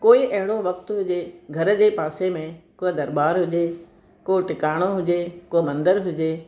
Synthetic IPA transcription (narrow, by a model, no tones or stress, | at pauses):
koːiʔɐɦɪɽoʋɐk̚t̪ɦʊd͡ʑeɡʱɐɾə̆d͡ʑeːpaːsemẽkoːɪd̪ɐɾbaːɾɦʊd͡ʑe | koːʈɪkaːɽ̃oɦʊd͡ʑekoːmɐ̃nd̪əɾɦʊd͡ʑeː